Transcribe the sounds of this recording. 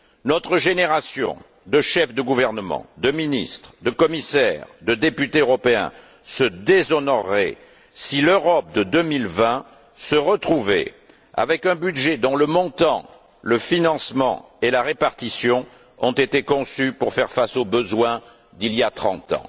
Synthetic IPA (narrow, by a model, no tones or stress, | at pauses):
nɔt̪χəʒeneʁasjɔ̰̃ | d̪əʃɛfd̪əɡuvɛʁnəmɑ̰̃d̪əminist̪χd̪əkɔmisɛʁd̪əd̪epyt̪eøʁɔpeɛ̰̃ | səd̪ezɔnɔʁːɛ̰ | siløʁɔp̚d̪əd̪əmilvɛ̃ | səʁət̪χuvḛ | a̰vɛkɛ̃byd̪ʒed̪ɔ̃ləmɔ̃t̪ɑ̰̃ | ləfinɑ̃smɑ̰̃ | elaʁepaʁt̪isjɔ̃ | ɔ̰̃t̪et̪ekɔ̃sypuʁfɛʁfasobəzwɛ̃ | d̪iljat̪χɑ̰̃t̪ɑ̰̃